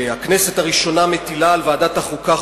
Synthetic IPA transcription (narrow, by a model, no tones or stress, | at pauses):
aknese̞taʁiʃo̞name̞t̪ilaːlvaːdataχuka